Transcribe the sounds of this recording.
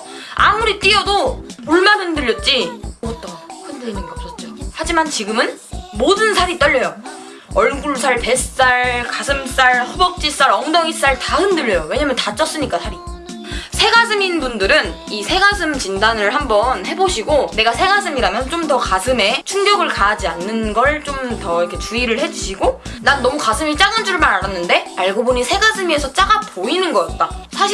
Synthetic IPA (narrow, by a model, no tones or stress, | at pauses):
a̰muɾit͈iʌdouɭmanɦɯndɯʎːjʌt̚t͡ɕ͈ioɡʌt͈ʌhɯndɯinɯŋɡeʌp̚s͈ʌt̚t͡ɕ͈ohad͡ʑimant͡ɕiɡɯmɯn | modɯnsʰaɾit͈ʌʎːʌjo | ʌɭɡuɭs̬ʰaɭpe̞ss͈aɭkasʰɯms͈aɭhʌbʌk̚t͡ɕ͈is͈aɾʌŋdʌŋis͈aɭtahɯndɯʎːʌjowe̞ɲamjʌntat͡ɕ͈ʌs͈ɯɲik͈asʰaɾi | sʰe̞ɡasʰɯminbundɯɾɯn | isʰe̞ɡasʰɯmt͡ɕindanɯɭɦambʌnhe̞boɕʰiɡone̞ɡasʰe̞ɡasʰɯmiɾamjʌnt͡ɕ͈omtʌkasʰɯme̞t͡ɕʰunɡjʌɡɯɭkaːd͡ʑianːɯnɡʌɭt͡ɕ͈omtʌɾʌkʰet͡ɕuiɾɯɭhe̞d͡ʑuɕʰiɡonanːʌmukasʰɯmit͡ɕ͈aɡɯnd͡ʑuɯɭmaɾaɾanːɯnde̞aɭɡoboɲisʰe̞ɡasʰɯmie̞sʰʌt͡ɕ͈aɡapoinɯnɡʌkat̚t͈asʰaɕʰ